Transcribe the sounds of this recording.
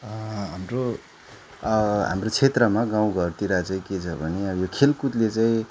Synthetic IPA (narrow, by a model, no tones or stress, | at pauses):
ɦamro | ɦa̰mrot͡sʰet̪rʌmaɡãw̃ɡʱʌrt̪iɾat͡saĩket͡sʰʌbʱʌneʌbʌjokʰelkut̪let͡saĩ